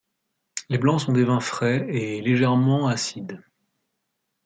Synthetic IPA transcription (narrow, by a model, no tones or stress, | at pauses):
leblɑ̃sɔ̃d̪evɛ̃fχɛeleʒɛʁmɑ̃asid̪